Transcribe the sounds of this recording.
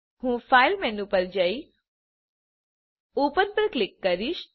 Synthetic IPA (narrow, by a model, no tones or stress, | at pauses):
hũfʰailmɛnũpəɾd͡ʒəi | opənpəɾklɪkːəɾiʃ